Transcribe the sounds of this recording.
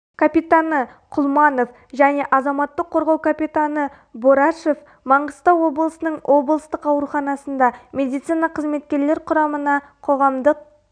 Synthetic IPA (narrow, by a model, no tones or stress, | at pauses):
kʰapit̪anə | qʰʊlˠmɑno̞f | ʒæne̞ʔɑzɑmɑt̪ːəqʰːo̞ɾʁɑwkʰapʲijt̪anə | boɾaʃef | mɑɴəst̪ɑwo̞blˠəsənəɴwʔo̞blˠəst̪əqɑwɾuχɑnɑsənd̪ɑmʲe̞d̪ijt̪sijnɑqʰəzme̞t̪kʲe̞ɾle̞ɾqʰʊɾɑmənɑ | qʰo̞ʁɑmd̪əq̚